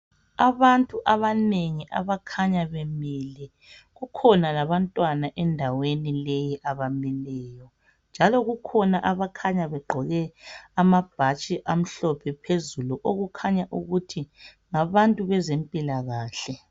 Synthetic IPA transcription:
aβantʼuʔaβaneŋiʔa̰βakʰaɲaβɛmɛlɛ | ɣukʰɔnalaβantʼwanaʔɛndʱawenilejiʔaβamɛlɛːjɔ | nd͡ʒʱalɔɣukʰɔnaʔaβakʰaɲaβɛɡ͡ǃʱɔɣɛamab̥ʱat͡ʃʼiʔam̩ɬɔpʰɛpʰezuluʔoɣukʰaɲaʔuɣutʰi | ŋaβantʼuβɛzempʼilaɣaːɬɛ

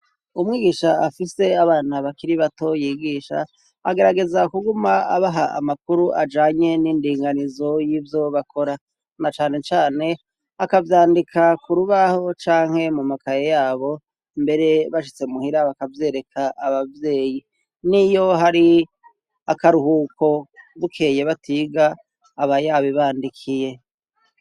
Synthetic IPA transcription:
umŋiːɡiʃaːfise̞aβaːn̥aβakiɾiβato̞jiɡiːʃa̰ | aɡe̞ɾaɡe̞zakuɡuma̰ːβaɦaʔa̰makuɾuʔa̰d͡ʒaːɲe̞niːndiːŋɡanizo̞jivjo̞βakʰo̞ɾa | nat͡ʃaːne̞t͡ʃaːne̞ | akavjaːndikʰakuɾuβaho̞t͡ʃaːŋ̥he̞mumakajejaːβo̞ | mbe̞ɾe̞βaʃit͡se̞muhiɾaβakavje̞ːɾe̞kʰaʔːβavje̞ːji | nijo̞ɦaɾi | akaɾuhuːkʰo̞βukʰe̞ːje̞βatiɡaː | βajaβiβaːndikʰije̞

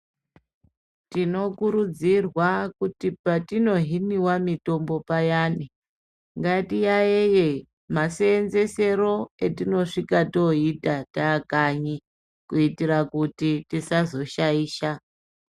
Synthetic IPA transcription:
tino̞kuɾud͡zirwakutipatino̞ɦiniwamito̞mbo̞pajaːni | ŋɡatijaeje | maseːnze̞se̞ro̞etino̞ʂikato̞itataːkaɲi | kuitiɾakutitisazo̞ʃaiːʃa

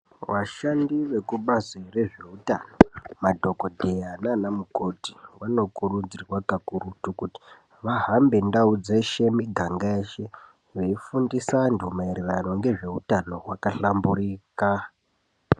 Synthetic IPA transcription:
ʋaʃandiʋe̞kuɓazire̞ʐe̞utano̞madʱo̞ko̞dʱe̞jananamuko̞ti̥wano̞kurud͡zirwakakuɾutukuti̥ | ʋaɦambe̞ndaud͡zeʃe̞miɡʱaŋɡaeːʃe̞ | ʋeifundisandumairerano̞ŋɡe̞ʐe̞utano̞ɦwakaɬambuɾiːka

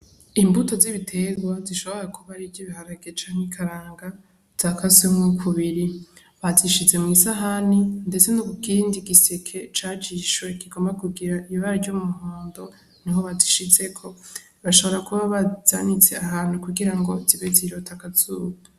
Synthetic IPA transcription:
imbuto̞ziβitʰe̞ɡwaziʃo̞βo̞ɾakʰuβaɾivɟiβihaɾaɡet͡ʃaːŋikʰaɾaːŋɡa | z̥akasumŋukʰuβiɾi | βaziʃize̞mŋisaɦaninde̞t͡se̞nokukiːndiɡisekʰe̞t͡ʃaːt͡ʃiʃwe̞kiɡo̞mbakuɡiɾaʔijiβaɾivɟomuɦoːndo̞ | niɦo̞βaziʃize̞kʰo̞ | βaʃo̞βo̞ɾakuβaβaz̥anit͡se̞aɦaːn̥hukuɡiɾaŋɡo̞ziβeziɾotʰakazuːβua

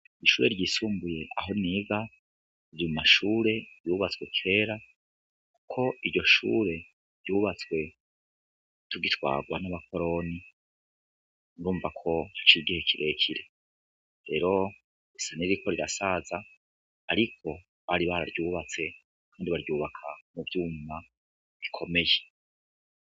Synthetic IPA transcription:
iʃuːɾe̞̰ɾɟiːsuːmbuje̞ʔa̰ɦo̞niːɡa | iɾimumaʃuːɾe̞juːβat͡swe̞kʰe̞ːɾa | ku̥kʰo̞iɾɟo̞ʃṵːɾe̞ | ɾɟuːβat͡swe̞ | tuɡitwa̰ːɡwa̰naβak̚ʰo̞ɾo̞ni | nɾuːɱvakʰo̞hat͡ʃiɡihe̞kʰiɾe̞cʰiɾe̞ | ɾe̞ːɾo̞ | isaniɾiikʰo̞ɾiɾa̰saːzaː | ɾikʰo̞ | βaɾiβaɾa̰ɾɟuːβat͡se̞ | kʰaːndiβaɾjuːβakʰamuvjuːma | βikʰo̞me̞je

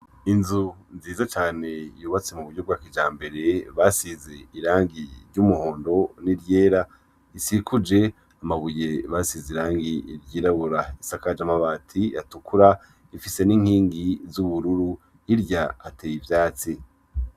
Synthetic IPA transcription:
inzunziːzat͡ʃaːne̞juːβat͡semuβuɟjobɡaːkid͡ʒaːmbe̞ɾe̞βasize̞iɾaːŋɡiɾɟumuho̞ːndo̞niɾjeːɾa | isikʰud͡ʒe̞ | amaβujeβasizeiɾaːŋɡiɾɟiːɾaβuɾaisakad͡ʒamaβaːtʰia̰tukuɾa | ifise̞niŋ̥hiːŋɡizuβuɾuɾu | iɾɟaːteːjivjaːt͡si

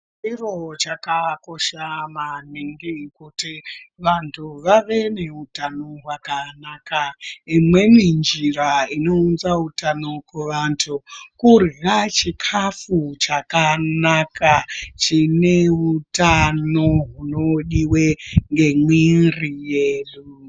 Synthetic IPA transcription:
iro̞t͡ʃakako̞ʃamaniŋɡikutiʋantʰuʋaʋe̞neutanoɦwakanakaimwe̞mind͡ʒiɾaino̞unzautano̞kweʋantʰukurirat͡ʃikʰafut͡ʃakanakat͡ʃine̞utano̞ɦunoɗiwe̞ŋɡe̞mwinrijelu

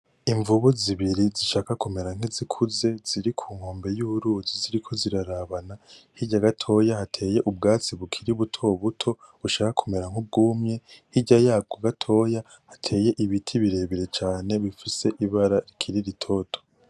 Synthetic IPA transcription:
iɱvuβuziβiɾiziʃaːkakume̞ɾaŋ̥izikʰuze̞z̥iɾikʰuːŋ̥ho̞ːmbe̞juɾuːziziɾikʰo̞ziɾaɾaβanahiɟaɡatʰo̞jahatʰe̞ːje̞ʔubɡaːt͡siβukʰiɾiβutʰo̞βutʰo̞ | βuʃaːkakʰume̞ɾaŋ̥ub̚ɡuːmɲe̞hiɟajaːb̚ɡoɡatʰo̞ːja | hatʰe̞ːje̞ʔiβitʰiβiɾe̞ːβiɾet͡ʃaːne̞βifise̞ʔiβaɾaɾikʰiɾiɾitʰo̞tʰo̥

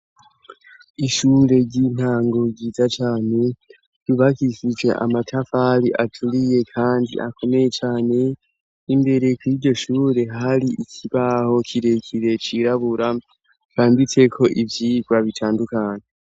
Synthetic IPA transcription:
iʃuːɾe̞ɾɟin̥haːŋɡo̞ɡiːzat͡ʃaːne̞ | jiβakiʃid͡ʒwe̞̰ʔa̰matʰafaɾiʔatʰuɾije̞kʰaːndḭʔa̰ko̞me̞je̞t͡ʃaːne̞ | imbe̞ɾe̞kwiːɾɟo̞ʃuːɾe̞ɦaɾiʔicʰiβaːho̞cʰiɾe̞cʰiɾe̞t͡ʃiɾaβuɾa | kʰaːndit͡se̞kʰo̞ʔivjiɡwaβitʰaːndukaːɲe

